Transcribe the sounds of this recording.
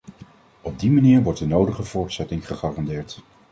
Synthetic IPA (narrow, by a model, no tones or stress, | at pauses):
ɔb̚dimaniːɹʋɔɹdənowdəχəv̥ʊːɹtsɛtɪŋχəχɑːrɑndɪːɹt